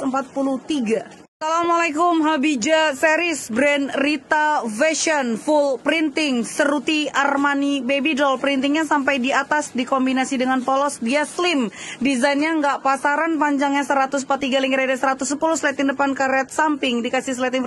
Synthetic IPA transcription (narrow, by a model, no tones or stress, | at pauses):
əmpat̪̚puluht̪iɡa | salamalakʊmɦabid͡ʒasɛɾɪsbɾɛnrit̪avɛʃɔnfulpɾint̪ɪŋsəɾut̪iarmanibebidɔlpəɾint̪iŋɲasampajdiat̪asdikombinasidəŋanpɔlɔsdiaslɪmdizainɲaŋɡaʔpasaɾanpaɲd͡ʒaŋɲasəɾat̪us̬əmpat̪ːiɡaliŋkiɾadasəɾat̪usːəpuluhsəlɛt̪indəpankaɾat̪̚sampɪŋdikasɪs̬əlɛt̪in